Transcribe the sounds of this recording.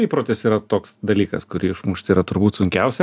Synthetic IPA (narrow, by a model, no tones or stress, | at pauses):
iːpɾoːt̪ʲɪsiːɾɐt̪oːksd̪ɐlʲiːkɐ̰skʊɾʲiːɪʃmuːʃʲt̪ʲiːɾɐt̪ʊɾbuːt̪sʊŋʲkʲɛʊsʲɛ